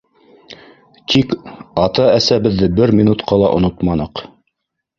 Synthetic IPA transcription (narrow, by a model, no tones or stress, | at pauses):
t̪ʰikɑt̪ɑæsæβɘ̆ðːɘbɘɾmʲinut̪qɑlˠɑʔŏ̰not̪mɑnɤq